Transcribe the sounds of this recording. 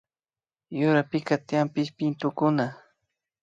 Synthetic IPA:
jʊɾapɪkat̪ɪjampɪʃpɪnt̪ʊkʊna

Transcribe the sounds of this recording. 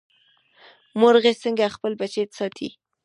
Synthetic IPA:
moɾɣesəŋɡaxpəlbat͡ʃet̪ḁsɑt̪ʰḭ

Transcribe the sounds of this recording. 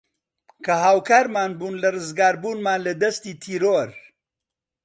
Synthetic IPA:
kɐɦaːwkaːɾmaːnbuːnlɐrɨzɡaːɾbuːnmaːnlɐd̪ɐst̪iːt̪ʰiːɾoɾ

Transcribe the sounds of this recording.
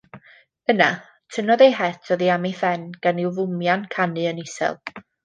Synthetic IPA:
əna | tʰənɔðejɦɛtʰɔðiamiθɛnɡ̥anɪwvʊmjankʰanɨənɪsɛ̰lˠ

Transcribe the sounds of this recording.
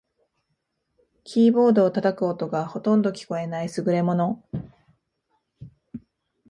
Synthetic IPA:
kʲʰiːbo̞ːd̪o̞ːt̪at̪akɯ̟ot̪o̞ɡaho̞t̪õ̞nd̪o̞kʲi̥ko̞e̞naisɨɡɯ̟ɾe̞mo̞no̞

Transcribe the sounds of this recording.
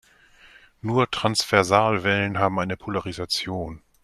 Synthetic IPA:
nuːɐtʁ̥ansv̥ɛɐzaːlvɛlənɦaːbm̩ʔaɪnəpʰolaʁizat͡sjoːn

